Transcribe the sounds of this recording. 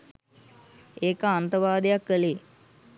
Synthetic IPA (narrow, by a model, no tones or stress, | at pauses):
eːkəant̪əʋaːd̪ejakːəle